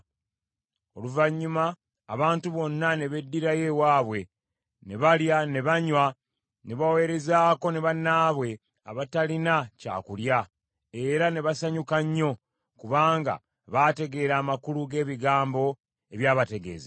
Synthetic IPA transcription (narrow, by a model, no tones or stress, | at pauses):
o̞̰luvaɲːuma̰ː | βaːntuβo̞nːane̞βe̞dːiɾaje̞waːβwe̞ | ne̞βaljane̞βaɲwa | ne̞βawe̞ːɾe̞zaːko̞ne̞βanːaːβwe̞ | a̰βatalinaca̰ːkulja | e̞ɾane̞βasaɲukaɲːo̞ | kuβaːŋɡa̰ | βaːte̞ɡe̞ɾaːmakuluɡe̞ːβiɡaːmbo̞ | e̞βjaːβate̞ɡe̞̰ːze